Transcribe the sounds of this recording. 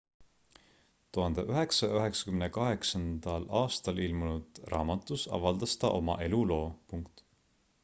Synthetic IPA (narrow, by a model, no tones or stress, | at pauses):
t̪uɦɑnd̪eʔyɦe̞ksɑjɑyɦe̞ksɑ̥kymnekɑɦe̞ksɑnd̪̥ɑlɑːst̪ɑlilmunud̪̥rɑ̰ːmɑt̪ːˑusɑ̰vɑld̪̥ɑst̪ɑ̰ʔo̞mɑ̰ʔe̞lulo̞ːpuŋkt̪